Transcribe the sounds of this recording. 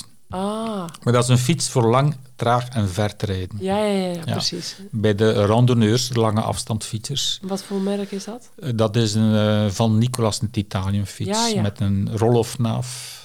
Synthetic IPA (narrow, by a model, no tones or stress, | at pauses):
amardɑtɪzənfitsfoːrlɑŋtraːxɛnvɛrtreːdənjaja̰sisbɛːdərɑndonøːrsdəlɑŋə̰ʔɑ̰fstɑntfitsərsʋɑtfolmɛɾkɪzdɑt | dɑtɪsənvɑnːikolɑsnətitaːnjəmfismɛtənrolɔfna̰ːf